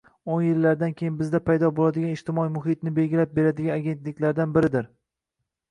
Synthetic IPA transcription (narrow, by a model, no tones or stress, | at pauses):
onjɪlːaɾd̪ankʲʰejɪnbɪzd̪apʰajd̪ɒbolad̪ɪɡʲanɪʃt̪ʰɪmɒimʊɦɪt̪̚nɪbe̞lɡʲɪlap̚be̞ɾad̪ɪɡʲanaɡʲe̞nt̪lɪkʲlaɾd̪anbɪɾɪd̪ɪɾ